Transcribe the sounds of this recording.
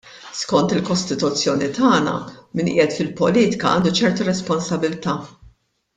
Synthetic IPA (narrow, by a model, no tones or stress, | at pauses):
skɔnt̪ɪlkɔst̪ɪt̪ʊt͡sːjɔːnit̪ʰɐːnɐ̰mɪːnʔɪ̰ːjɛt̪fɪlpɔliːt̪ɪ̥kɐʔɐ̰ːnd̪ut͡ʃɛɾt̪uɾɛspɔnsɐbɪlt̪ɐː